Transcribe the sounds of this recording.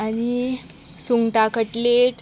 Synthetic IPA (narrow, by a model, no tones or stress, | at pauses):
ani | suŋɡʈakəʈleʈ